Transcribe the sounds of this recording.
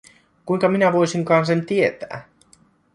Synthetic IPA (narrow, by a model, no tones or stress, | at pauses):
kujŋkɑminæʋo̞jsiŋkɑːns̬ent̪iet̪æ̰ː